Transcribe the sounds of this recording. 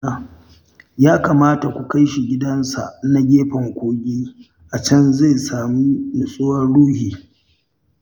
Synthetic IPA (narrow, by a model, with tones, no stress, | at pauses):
a˦ | jaː˦kaː˨maː˦ta˨kʷu˨ka˦jʃi˨ɡʲɪ˦dɐ˦nsa˨ʔna˦ɡʲeː˦ɸɐ˨ŋkʷoː˦ɡʲiː˦ | ʔa˨t͡ʃɐ˦nze˦˨saː˨mi˦mʊ˨sʼʊ˦wɐ˦rɽuː˦hiː˨